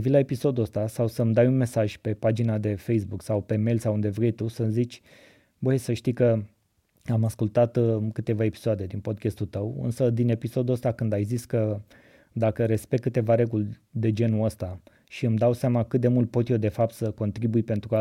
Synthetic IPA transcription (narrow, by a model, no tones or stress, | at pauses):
vilae̞piso̞d̪uəst̪asawsəmd̪ajunme̞saʒʲpe̞pad͡ʒinad̪e̞fe̞js̬buksawpe̞melsawund̪e̞vɾe̞jt̪usəmzit͡ʃʲ | bəjsəʃt̪ikə | amaskult̪at̪kɨt̪e̞vae̞pi̥soad̪e̞d̪inpo̞d̪kʲest̪ult̪əwɨ̰nsəd̪ine̞piso̞d̪uəst̪akɨnd̪ajziskə | d̪akəɾe̞spe̞k̚kɨt̪e̞vaɾe̞ɡulʲ | d̪e̞d͡ʒe̞nuəst̪a | ʃiɨmd̪awseamakɨt̪̚d̪e̞mult̪̚po̞t̪jod̪e̞fap̚t̪səko̞nt̪ɾibujpe̞nt̪ɾua